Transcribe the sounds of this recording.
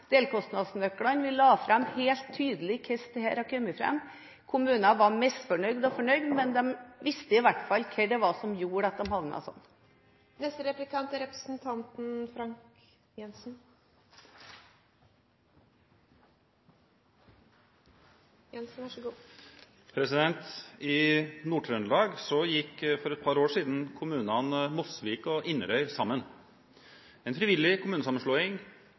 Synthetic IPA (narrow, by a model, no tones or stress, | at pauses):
d̪̥eːlkʰɔst̪nɑd̪snœkːɽɑnʋɪlɑːfɾɑmheːlt̪ʰːyːd̪əlɪkʰɛst̪əhæːɾɑkʰœmːəfɾɛ̰mː | kʰʊmʉːnɑʋɑmɛst̪fɔɳœʏɡd̪ɔfɔɳœʏɡd̪mɛnd̪ɛmʋɪst̪əɪʋæʈfɑlːkʰɛɖɛʋɑsɔmjuːɾəɑt̪̚d̪ɛmhɑʋnɑ̰sɔ̰nː | nɛst̪əɾɛplɪkʰɑnt̪əɾɛpɾə̥sn̩t̪ʰɑnt̪n̩fɾɑŋk | jɛnsn̩ | jɛnsn̩ʋæʂɡuː | pʰɾɛsɪd̪ɛnt̪ɪnuʈʰɾœnlɑːɡsɔjɪkːfɔɾɛt̪̚pʰɑɾoːʂiːd̪n̩kʰʊmʉːnɑnmʊsʋiːkɔʔɪnəɾœʏsɑmːən | ɛːnfɾɪʋɪlːɪkʊmʉːnəsɑmːən̩ʂɭoːɪŋ